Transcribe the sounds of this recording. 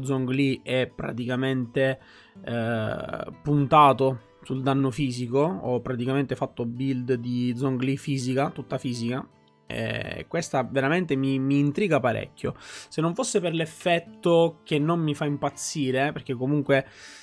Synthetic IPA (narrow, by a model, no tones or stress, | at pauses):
d̪zɔŋɡliɛpːɾa̰t̪ikament̪e | pːunt̪aːt̪o | suld̪anːofiːzikoɔpːɾat̪̬ikament̪efat̪ːobild̪d̪id̪zɔŋɡlifiːzikat̪ut̪ːafiːzika | ɛ̰kːwest̪aveɾament̪emimiːnt̪ɾiːɡapaɾḛkʲːjo̰senːoɱfosːeperlefːɛt̪ːok̟enːomːifaimpat̪sːiːɾeperk̟ekːomuŋkwe